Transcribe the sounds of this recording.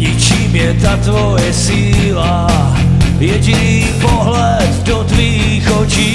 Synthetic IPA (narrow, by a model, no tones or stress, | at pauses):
ɲit͡ʃiːmjɛt̪at̪vojɛsiːla | jɛɟɪniiːpoɦlɛ | d̪dot̪viː | xot͡ʃiː